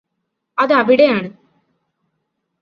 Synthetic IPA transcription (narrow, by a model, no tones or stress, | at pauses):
ɐðɐʋiɽejaːɳɨ